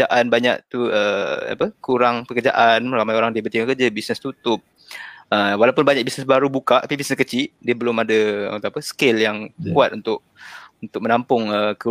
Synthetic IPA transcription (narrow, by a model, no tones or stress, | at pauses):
aʔanbaɲaʔt̪uəa̰pəkuɾaŋpəkəd͡ʒa̰ʔanməɾamajoɾaŋdiəbənt̪iŋakəd͡ʒabisnəst̪ut̪ʊp̚ | əwalawpʊnbaɲak̚bisnəsbaɾubukaʔt̪apibisnəskət͡ʃidiəbəlʊmada̰t̪apəsə̥kɪljaŋkuat̪unt̪ʊʔ̚ | unt̪ʊk̚mə̃nampʊŋəkə